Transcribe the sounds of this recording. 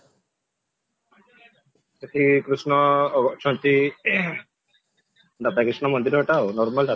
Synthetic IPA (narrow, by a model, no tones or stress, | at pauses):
et̪ʰikɾusnɔːɡɔʔt͡ʃɔnt̪i | d̪at̪akɾisnɔmɔnd̪iɾaʈawnɔɾmald̪a